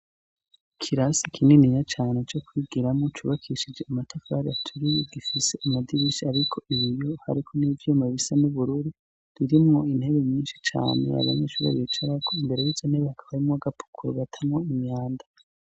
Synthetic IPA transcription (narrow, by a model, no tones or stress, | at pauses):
kʰiɾasikʰininijat͡ʃaːne̞t͡ʃo̞kwiɡiɾamŋot͡ʃuβakʰiʃid͡ʒe̞amatʰafaɾiatʰuɾijeɡifise̞amadiβiʃiaɾikʰo̞ʔiβijoha̰ɾikʰo̞niːvomaβisanuβuɾuːɾi | ɾiɾimŋo̞in̥he̞βeɲɲiːnʃi̥t͡ʃa̰ːnḛa̰βamet͡ʃuβa̰βiit͡ʃaɾakʰoimbe̞ɾejizaneβakʰaβaɾimŋaɡapʰu̥kʰuɾoβatʰamŋo̞iɲɲaːnda